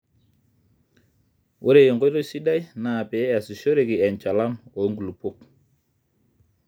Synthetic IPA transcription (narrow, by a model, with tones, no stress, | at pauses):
ʔo˦ɾe˨jɔ˨ŋɡjɾo˦si˦da˦jna˨pɛ˨˦a˨si˨ʃo˦ɾe˨ki˨ɛ˨nt͡ʃa˨la˦mɔ˨˦ŋɡu˨lu˨po˦k̚